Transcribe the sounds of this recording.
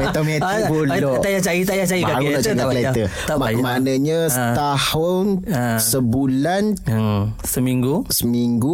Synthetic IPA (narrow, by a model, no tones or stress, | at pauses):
met̪əmet̪buoajat͡ʃajit̪ajat͡ʃajibakaɾunaʔt͡ʃak̪alet̪ə | manəɲasət̪ahʊnsəbulan | səmiŋɡusəmiŋɡu